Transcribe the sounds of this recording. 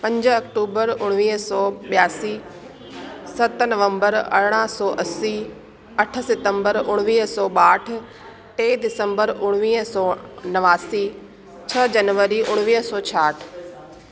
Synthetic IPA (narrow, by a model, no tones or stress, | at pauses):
pɐ̃ɲd͡ʑɐkʈuːbəɾʊɽ̃ʋiːɦsɔːɓjaːsi | sɐt̪nɐʋə̃mbəɾɐ̰ɾɽ̃əsɔːʔɐsi | ɐʈ̆ʰsɪt̪ə̃mbəɾʊɽ̃ʋiːɦsɔːɓaːʈ̆ʰ | ʈeːdɪsə̃mbəɾʊɽ̃ʋiːɦsɔːnɐʋaːsi | t͡ɕʰɐd͡ʑɐnʋəɾiʔʊɽ̃ʋiːɦsɔːt͡ɕʰaːʈʰ